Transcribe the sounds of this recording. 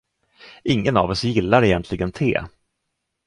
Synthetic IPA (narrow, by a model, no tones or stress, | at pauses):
ʔɪŋːəna̰vɔsjɪlːaɾɛjɛnt̪ʰlɪɡənt̪ʰḛː